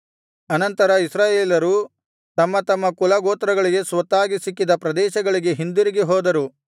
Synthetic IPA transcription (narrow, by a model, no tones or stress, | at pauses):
ɐnɐnt̪ɐɾɐisɾaːjeːlɐɾu | t̪ɐmːɐt̪ɐmːɐkulɐɡoːt̪ɾɐɡɐɭiɡe̞sʋɐt̪ːaːɡisikːid̪ɐpɾɐd̪ɛːʃɐɡɐɭiɡe̞ɦind̪iɾiɡiɦɔːd̪ɐɾu